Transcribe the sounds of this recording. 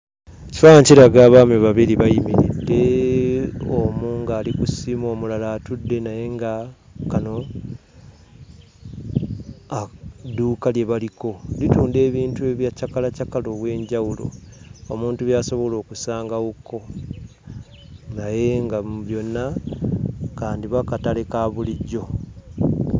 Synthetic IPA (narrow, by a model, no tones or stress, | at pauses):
eci̥faaɲciɾaɡaːβaːmeβaβiɾiβajimiɾidːe̞ | omuːŋɡaːlikusiːmo̞ːmulalaːtudːe̞naje̞ŋɡakano̞ | aduːkalje̞βaliko̞lituːnde̞ːβiːntue̞βjacakalacakalo̞βwe̞ːɲɟawulo̞̰omuːntuβjaːso̞βo̞lo̞ːkusaːŋɡaɣuko̞ | naje̞ŋɡaβjo̞nːa | kaːndiβakatalekaβuliɟo̞